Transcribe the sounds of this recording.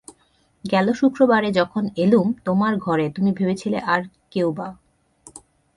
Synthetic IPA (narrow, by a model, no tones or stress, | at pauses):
ɡɛloʃukɾobaɾed͡ʑɔkʰonelumt̪omaɾɡʱɔɾet̪umibʱebet͡ɕʰilḛʔaɾ | kewba